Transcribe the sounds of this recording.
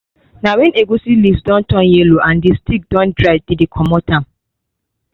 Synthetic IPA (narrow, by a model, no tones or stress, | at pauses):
nawɛ̃neɡosilivsdɔ̃ntɔ̃njeloʔãndistik̚dɔ̃ndɾaɪvdidikʰɔmɔtãm